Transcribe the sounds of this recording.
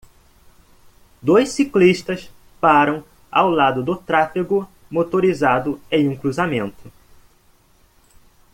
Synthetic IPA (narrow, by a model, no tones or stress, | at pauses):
d̪ojssikliʃt̪ɐs | paɾɐ̃w̃ | a̰wlad̪ʊd̪ʊt̪ɾafiɡʊ | mot̪oɾizad̪ʊẽj̃ũkɾuzamẽnt̪ʊ